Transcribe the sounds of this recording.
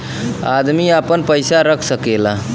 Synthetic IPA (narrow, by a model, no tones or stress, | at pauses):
ad̪miapənpəjsaɾəkʰsəkela